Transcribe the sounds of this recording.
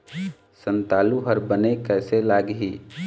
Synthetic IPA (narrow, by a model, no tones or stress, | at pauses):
sənt̪aːluɦəɾbənekɛːselaɡɦi